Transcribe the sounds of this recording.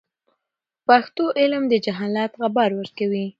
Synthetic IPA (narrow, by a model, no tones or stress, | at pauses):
paxt̪oʔɪlmd̪əd͡ʒaɦɑlɑt̪ɣabaɾwəɾkawi